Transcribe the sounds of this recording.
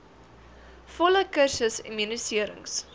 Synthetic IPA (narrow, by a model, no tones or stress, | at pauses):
fɔləkərsəsɛ̰nminəsiəɾə̰ŋs